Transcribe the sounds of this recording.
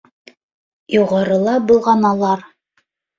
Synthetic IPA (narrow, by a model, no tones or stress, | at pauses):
juʁɑɾɤ̆lˠɑbŭlˠʁɑnɑlˠɑɾ